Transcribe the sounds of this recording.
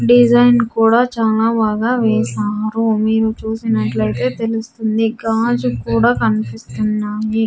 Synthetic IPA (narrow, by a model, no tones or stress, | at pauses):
ɖid͡ʒɐjnkuːɽaːt͡ʃaːlaːbaːɡaːʋeːsaːɾumiːɾut͡ʃuːsinɐʈlɐjt̪e̞ːt̪e̞lust̪und̪iɡaːd͡ʒukuːɽaːkɐnipist̪unːaːji